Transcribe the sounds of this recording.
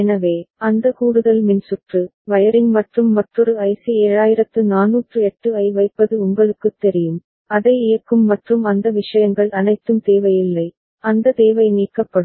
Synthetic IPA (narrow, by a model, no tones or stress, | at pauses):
ɛnɐʋeːɐnd̪ɐkuːɽɯðɐlmɪnsʊʈrɯʋɐjɐɾɪnmɐʈrɯmːɐʈrɔɾɯɐɪsieːɻaːjɪɾɐt̪ːɯnaːnːuːʈrɯɛʈːɯɐɪʋɐɪpːɐðɯʊŋbɐɭɯkːɯt̪ːɛɾɪjɯm | ɐðɐɪɪjɐkːɯmːɐʈrɯmɐnd̪ɐʋɪʂɐjɐŋɡɐɭɐnɐɪt̪ːɯmt̪eːʋɐjɪlːɐɪ | ɐnd̪ɐt̪eːʋɐɪniːkːɐpːɐɽɯ